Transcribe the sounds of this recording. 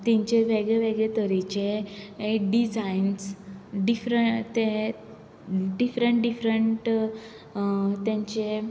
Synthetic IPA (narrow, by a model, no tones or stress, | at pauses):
t̪ɛ̃ɲt͡ɕeʋeɡɭeʋeɡɭet̪əɾit͡ɕeeɖid͡zainsɖifɾət̪e | ɖifɾəɳʈɖifɾəɳʈ | t̪jãɲt͡ɕe